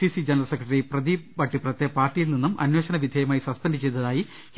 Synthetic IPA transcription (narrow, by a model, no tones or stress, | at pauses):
isid͡ʑenɐɾɐlsekrɐʈɐriprɐðibɐʈːiprɐt̪ːepaːrʈːijilninːumʔɐ̰nweːɕɐnɐʋid̪ʱejɐmaːjisɐspenɖɨt͡ɕejt̪ːɐðaːji